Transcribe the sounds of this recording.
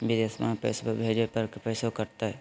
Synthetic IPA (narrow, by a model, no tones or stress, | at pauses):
bɪd̪eːsmã̰ːpɛ̰ːspbʱeːd͡ʒopɐɾkpɛːsokɐɾt̪aɦɛː